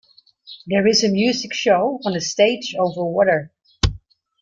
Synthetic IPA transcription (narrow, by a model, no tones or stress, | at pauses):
ðɛɹɪzəmjʉːzɪkʃoʊə̃nəsteɪd͡ʒoʊvə˞wɔɾə˞